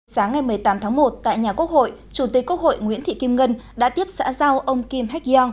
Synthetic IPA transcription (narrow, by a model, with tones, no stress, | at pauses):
saː˨˦ŋːa˨˩jmɨ˨˩əjt̪aː˨˦mt̪ʰaː˨˦ŋmo˨˩t̚t̪a̰ː˧˨jɲaː˨˩ku˦˥ək̚ho̰˧˨jt͡ɕu˧˩t̪i˨˩k̚kːwə˦˥k̚ho̰˧˨jŋwḭ˧˥ənt̪ʰḭ˧˨ki˧mŋə˧nɗa̰ː˧˥t̪i˦˥əp̚sa̰ː˧˥za˧wʔə˧wŋ͡mki˧mɦɛ˦˥k̚ɔ˧ŋ